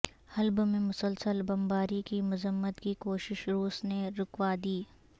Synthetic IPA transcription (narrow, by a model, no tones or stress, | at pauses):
hɐlbmẽmʊsəlsəlbɐ̃mbaːɾikimʊzəmːət̪kikoːʃɪʃɾuːsneɾʊkwaːd̪iː